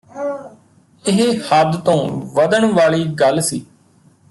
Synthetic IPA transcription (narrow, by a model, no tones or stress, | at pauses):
ɪɦhəd̪t̪õːʋəd̪əɳʋaːɭiːɡəlsiː